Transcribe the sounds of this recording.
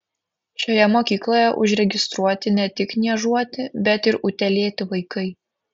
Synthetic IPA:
ʃʲoːjɛmoːkʲiːklˠoːjɛʔʊʒʲɾʲɛɡʲɪst̪ɾuɔt̪ʲɪnʲɛt̪ʲɪknʲiɛʒuɔt̪ʲɪbʲɛt̪ɪɾʊt̪ʲɛlʲeːt̪ʲɪʋɐɪkɐɪ

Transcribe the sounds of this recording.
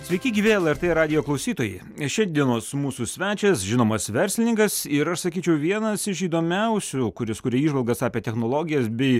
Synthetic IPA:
sʲʋʲɛɪkʲɪɡʲiːʋʲeːɛlˠɛɾt̪eːɾɑːd̪ʲɪjoːklˠɐʊsʲiːt̪oːjɛɪ | ʃʲɛd̪ʲiɛnoːsmuːsuːsʲʋʲæːt͡ʃʲɛsʒʲɪnoːmɐsʋʲɛɾʲsʲlʲɪnʲɪŋkɐsɪɾɐʃsɐkʲiːt͡ʃʲɛʊʋʲiɛnɐsɪʃiːd̪oːmʲɛʊsʲukʊɾʲɪskʊːɾʲɛiːʒʋɐlˠɡɐsɑːpʲiɛt̪ʲɛxnoːlˠoːɡʲɪjɛsbʲɛɪ

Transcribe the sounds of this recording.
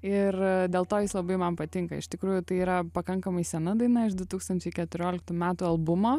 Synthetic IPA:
ɪrd̪ʲeːlˠt̪oːjɪslˠɐbɐɪmɐnpɐt̪ʲɪŋkɐ̰ɪ̰ʃt̪ʲɪkɾuːjʊt̪ɐɪiːɾɐpɐkɐŋkɐmɐɪsʲɛnɐd̪ɐɪnɐɪʃd̪ʊt̪uːkst̪ɐnʲt͡ʃʲɛɪkʲɛt̪ʊɾʲoːlʲɪk̚t̪uːmʲæːt̪uːɐlˠbʊmoː

